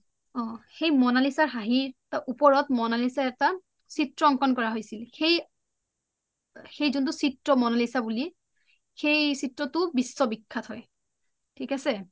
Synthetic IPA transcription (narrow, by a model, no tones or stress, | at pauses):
ɔ̃xejmɔnalisaɹɦaɦitaʔupɔɹɔtmɔnalisaɛta | sitɹɔɔŋkɔnkɔɹaɦojsilxej | xejzunt̬usitɹɔmɔnalisabuli | xejsitɹɔtʊbisːɔbikʰːathɔj | tʰikasɛ